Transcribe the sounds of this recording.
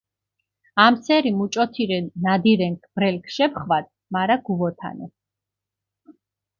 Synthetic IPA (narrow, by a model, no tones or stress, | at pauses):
amsɛɾimut͡ʃʼɔt̪ʰiɾɛnːad̪iɾɛŋkʰbɾɛlkʰʃɛpχvad̪̚ | maɾaɡ̥uvɔt̪ʰa̰nɛ̰